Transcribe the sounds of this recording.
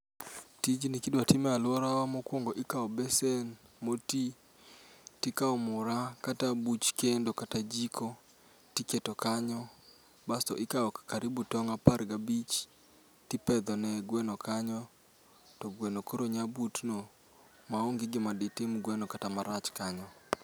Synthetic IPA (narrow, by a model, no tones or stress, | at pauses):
tid͡ʒinɪkɪdwatɪmɛalwɔɾawamɔkwoŋɡoʔɪkaɔbɛsenmoti | tɪkaɔmʊɾakatabut͡ʃkendokatad͡ʒikʰo | tiketɔkaɲɔ | bastɔ̰ʔɪkaɔkakaɾibutɔŋapaɾɡabit͡ʃ | tɪpɛd̪ɔnɛɡwɛnɔkaɲɔ | tɔɡwɛnokoɾoɲabutno | maoŋɡɪɡɪmadɪtɪmɡwɛnɔkatamaɾat͡ʃkaɲɔ